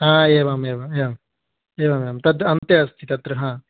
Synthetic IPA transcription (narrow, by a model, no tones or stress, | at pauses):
ɦãːeːʋaːmeːʋaːmeːam | eːʋaːmeːmt̪ɐt̪ɐnt̪jɐɐst̪ʰit̪ɐt̪ɾɐɦãː